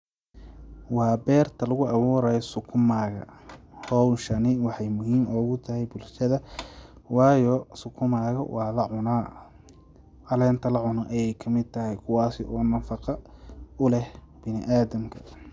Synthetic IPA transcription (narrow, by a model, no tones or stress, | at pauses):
wɑːbɛːrt̪ʰɐlɐɣʊʔɐβuːɾɐjɔsʊkʰʊmaːɣɐ̰hɔwʃɐnɪwɑħɑjmʊhiːmʔɔːɣʊt̪ʰɐɦɛjbʊlʃɐðɐ | wɑːjɔsʊkʰʊmaːɣɐwʔɑːlɐʕʊnaː | ʔɐlɛːnt̪ʰɐlɐʕʊnɐʔɐjɛjkʰɐmɪd̪̚t̪ʰɐɦɛjkʰʊwɑːsɪʔɔːnɐfɑqɑʊlɛh | b̥ɪnɪʔaːðɐmkʰɐ̥